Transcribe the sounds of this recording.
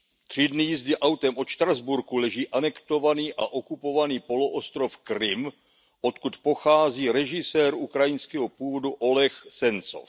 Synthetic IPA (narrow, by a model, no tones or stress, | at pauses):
t̪r̝̥ɪdnɪjɪzdɪʔawt̪ɛmʔo̞ʃt̪ɾazbuɾkulɛʒiːʔanɛkt̪o̞vaniːʔaʔo̞kupo̞vaniːpo̞loʔost̪ɾo̞fkɾɪm | ʔo̞t̪kut̪po̞xaːziːɾɛʒɪsɛːɾukɾajɪnskɛɦopuːvo̞duʔo̞lɛxsɛnt͡so̰f